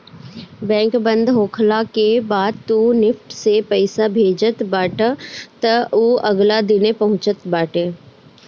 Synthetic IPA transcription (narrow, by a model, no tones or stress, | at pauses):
bɛ̃ːŋkbə̃nd̪ʱɦoːkʰlakebaːd̪̚t̪unɪfʈsepɐɪsabʱeːd͡ʒət̪baːʈət̪ɐoɐɡlad̪ɪnepɐɦʊ̃t͡ʃət̪baːʈeː